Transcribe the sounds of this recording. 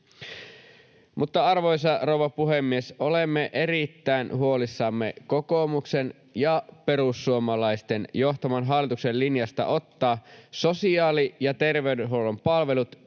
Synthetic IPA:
mʔut̪ːɑɑrʋojs̬ɑrowʋɑpuɦemːieso̞lemːeʔe̞rit̪ːæinɦuo̞lisːɑmːekoko̞muksen | jɑpe̞ɾusːuomɑlɑist̪enjoht̪ɑmɑnɦɑlːˑit̪uksellinjɑst̪ɑ̰ʔo̞t̪ːɑːsosiɑːlijɑt̪e̞rʋeydeɦowlompɑlʋe̞lut̪

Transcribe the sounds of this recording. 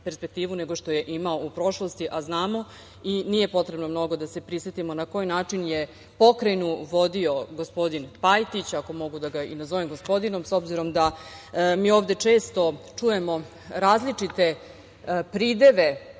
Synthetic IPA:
pe̞ɾspek̚t̪iːʋune̞ɡo̞ʃt̪o̞je̞ʔimaoupɾo̞ʃlost̪iʔaznaːmo̞ | iniːje̞po̞t̪ɾe̞bnomno̞ɡo̞d̪ase̞pɾisʋet̪imonako̞jnaːt͡ʂinje | po̞kɾajnuʋo̞d̪io̞ɡospo̞d̪inpajt̪it͡ɕako̞mo̞ɡud̪aɡaḭnazo̞ʋemɡo̞spo̞d̪ino̞mso̞bziɾo̞md̪amiːo̞ːʋd̪e̞t͡ʂe̞ːst̪o̞t͡ʂuje̞mo̞ | ɾaːzlit͡ʂit̪e̞ | pɾiːd̪e̞ʋe̞

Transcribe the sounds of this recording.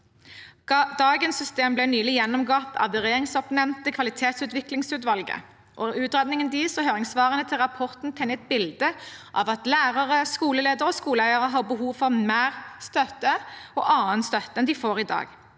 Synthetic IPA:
d̪ɑːɡənsːʏst̪eːmblɛnyːlɪjɛnːɔmɡɑp̪ɑ̰d̪ɛʁeːʁɪŋsɔpnɛnnt̪əkʰʋɑlɪt̪ʰeːt̪sʉːt̪ʋɪklɪŋsʉːt̪ʋɑlɡə̰ | ʔɔʉːt̪ʁɛd̪nɪŋənd̪iːsɔɦøːʁɪŋsʋɑːʁənət̪ʰɪlʁɑpʰɔʁt̪n̩t̪ʰɛnɛt̪̚bɪld̪əʔɑ̰ʋɑt̪læːʁəʁəskuːləleːd̪əʁɔskuːləæɪəʁəɦɑːʁbəɦuːʋfɔʁmæːʁst̪œt̪ːəɔ̰ːʔɑːənst̪œt̪ːəɛnd̪ɪfoːʁɪd̪ɑ̰ːɡ

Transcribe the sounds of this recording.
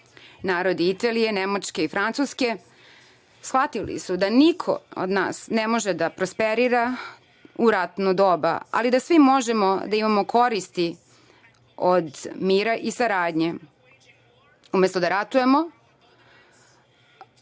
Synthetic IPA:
naːɾo̞d̪iit̪alije̞nemat͡ʃke̞ifɾant̪suske̞ | sxʋat̪ilḭsud̪anikʰo̰o̰d̪na̰ːsnemo̞ʒed̪apɾospeɾiɾa | uɾat̪nud̪o̞ːba̰a̰lid̪asʋimo̞ʒe̞mod̪aimamo̞kʰo̞ɾist̪i | od̪miːɾaʔisaɾaːd̪ɲe̞ | umest̪od̪aɾat̪uje̞mo

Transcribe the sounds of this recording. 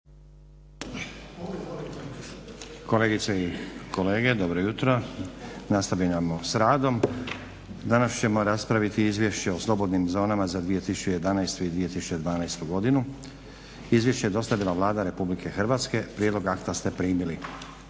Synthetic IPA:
ko̞leɡit̪seikʰo̞le̞ːɡe̞d̪o̞bɾojut̪ɾo̞ | nast̪aʋinamosɾaːd̪o̞m | d̪anast͡ɕe̞mo̞ɾaspɾaʋit̪iizʋʲje̞ʃt͡ɕeo̞slˠo̞bo̞d̪nimzo̞ːnamazad̪ʋije̞t̪isu̥t͡ɕuje̞d̪anajst̪uid̪ʋije̞t̪isu̥t͡ɕe̞d̪ʋaːnajst̪uɡo̞d̪inu | izʋje̞ʃt͡ɕejed̪o̞st̪aʋilˠaʋlˠaːd̪aɾe̞publike̞xrʋat̪ske̞pɾjed̪lo̞ɡakt̪ast̪e̞pɾiːmili

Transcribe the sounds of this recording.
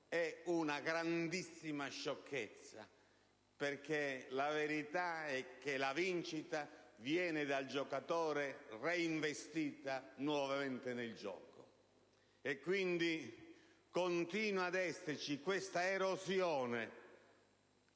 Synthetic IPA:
ɛunaɡɾand̪isːimaʃːɔkʰːet̪sːa̰ | perk̟elaveɾit̪aɛkːelavint͡ʃit̪avjɛːnɪd̪ald͡ʒɔkat̪ɔːɾereiɱvest̪iːt̪anwɔvament̪ɪneld͡ʒɔ̰ːko | ɛkːwind̪i | kont̪iːnwad̪ɛsːert͡ʃikwest̪aeɾozjɔːne

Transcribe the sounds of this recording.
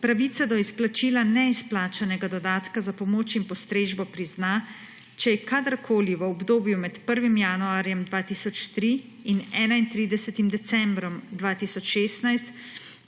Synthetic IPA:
pɾaʋiːsad̪ɔisplat͡ʃiːlanɛisplaːt͡ʃanɛɡad̪ɔd̪aːt̪kazapɔmoːt͡ʃinpɔst̪ɾeːʒbɔpɾizna | t͡ʃɛjɛkad̪əɾkʰoːliʋəɔbd̪oːbjumɛt̪pəɾʋimjanuaːɾjɛmd̪ʋaːt̪isɔt͡ʃt̪ɾiː | nɛːnaint̪ɾid̪ɛsɛt̪imd̪ɛsɛmbɾɔmd̪ʋaːt̪iːsɔt͡ʃʃeːst̪najst̪

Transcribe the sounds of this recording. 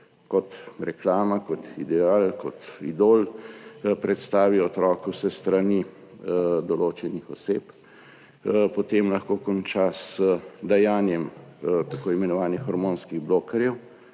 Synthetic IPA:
kɔt̪ɾɛklaːmakɔt̪id̪ɛaːlkɔt̪ḭd̪oːl | pɾɛt̪st̪aːʋiɔt̪ɾɔːkɛwsɛst̪ɾani | d̪ɔloːt͡ʃɛnixɔseːp | pɔt̪emlɐxkoːkɔnt͡ʃasəd̪ɛjaːnjɛmt̪akoːimɛnɔʋaːnixːɔɾmoːnskiɣbloːkɛɾjɛw

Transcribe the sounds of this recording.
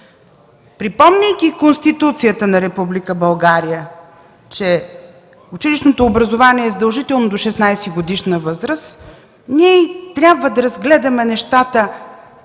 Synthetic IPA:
pɾipɔmnʲɛjkʲikonst̪it̪ut̪sijət̪ənɐɾɛpublikəbɐlˠɡaɾijə | t͡ʃɛ | ʊt͡ʃiliʃnot̪oːbɾəzovaniɛːzəd̪ɐlˠʒit̪ɛlˠnod̪oʃɛsnajsɛɡod̪iʃnəvɤzɾəs | niɛt̪ɾʲjabvəd̪ɐɾɐzɡlɛd̪əmɛnɛʃt̪at̪ə

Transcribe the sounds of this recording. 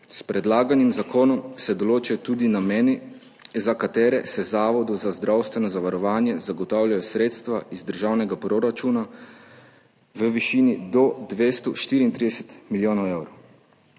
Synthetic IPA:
spɾɛd̪laːɡanimzakoːnɔmsɛd̪ɔloːt͡ʃɛt̪ud̪inameːni | zakat̪ɛːɾɛsɛzaːʋɔd̪uzazd̪ɾawst̪ʋɛnɔzaʋaɾɔʋaːnjɛzaɡɔt̪awljajɔsɾeːt̪st̪ʋaizd̪əɾʒawnɛɡapɾoɾat͡ʃuːna | ʋəʋiʃiːnid̪ɔd̪ʋest̪ɔʃt̪iːɾiːnt̪ɾid̪ɛsɛt̪miljoːnɔwewɾow

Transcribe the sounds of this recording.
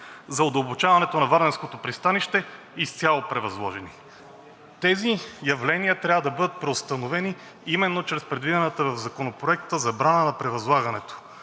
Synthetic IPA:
zɐod̪ɐlˠbot͡ʃavɐnɛt̪onɐvaɾnɛnskot̪opɾist̪aniʃt̪ɛ | ist̪ʲjalˠopɾɛvɐzlˠɔʒɛni | t̪ɛzijɐvlɛniət̪ɾʲavəd̪ɐbɤd̪ət̪̚pɾɛost̪ɐnovɛni | imɛnːot͡ʃɾɛspɾɛd̪vid̪ɛnət̪əvɐvzɐkonopɾoɛk̚t̪əzɐbɾanənɐpɾɛvɐzlˠaɡɐnɛt̪o̥

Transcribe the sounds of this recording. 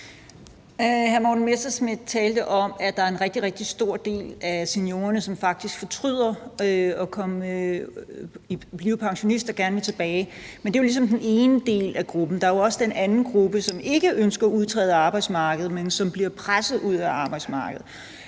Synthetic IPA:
hæɐmɒ̰ːdn̩mesd̥ɐsmid̥̚ˠt͡sʰɛːld̥əʔɒ̽mæd̥ɑ̈æɐe̝nʁɛɡ̥d̥iʁɛɡ̥̚d̥isd̥o̝ɐ̰d̥e̝̰ːlæse̝njo̝ːɐnəsɒ̽mfɑ̈ɡ̥̚d̥isɡ̥fɒ̽t͡sʰʁyð̰ˠɐɒkʰɒ̽m | ib̥liːʊpʰɑ̈ŋɕo̝nisd̥ɒɡ̥æɐnʋet͡sʰe̝b̥ɛːɪmend̥e̝o̝lis̬ɒ̽md̥ene̝ːnəd̥e̝̰ːlæɡ̥ʁub̥n̩d̥ɑ̈æɐjoɒ̽səd̥enʔænn̩ɡ̥ʁub̥əsɒ̽me̝ɡ̥əʔønsɡ̥ɐɒuð̞ˠt͡sʰʁɛ̰ːðˠəɑ̈ːb̥ɑ̈ɪd̥smɑ̈ːɡ̥əð̞̩ˠmensɒ̽mb̥liɐpʰʁasð̩ˠuð̞̰ˠæɑ̈ːb̥ɑ̈ɪ̥smɑ̈ːɡ̥əð̩ˠ

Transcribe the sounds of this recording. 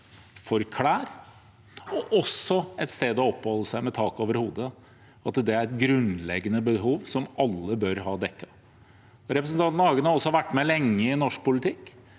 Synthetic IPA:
fɔɾkʰlæːɾ | ɔʔɔsɔɛt̪st̪eːd̪ɔɔpːhɔlːəsæɪmɛt̪ʰɑːkoːʋəɾhuːd̪ə | ɑt̪d̪ɛæɾɛt̪ɡɾʉnlɛɡənəbəɦuːʋsɔmɑlːəbœɾɦɑːd̪ɛkːɑ | ɾɛpɾəsn̩t̪ɑnt̪nɑɑːɡənɑɾɔsːɔɑʋæʈːmɛlɛŋːəɪnɔʂk̚pʊlɪt̪ʰɪkː

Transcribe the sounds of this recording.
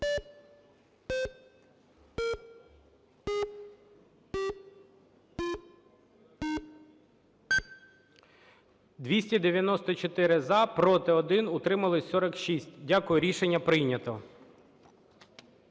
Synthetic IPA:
d̪ʋʲisʲtʲid̪eʋʲjɐnɔst̪ɔt͡ʃɔt̪ɪɾɪzɐpɾɔt̪ɪɔd̪ɪnʊt̪ɾɪmɐlˠɪsɔɾɔkʃisʲtʲdʲakʊjʊɾʲiʃenʲːɐpɾɪjnʲɐt̪ɔ

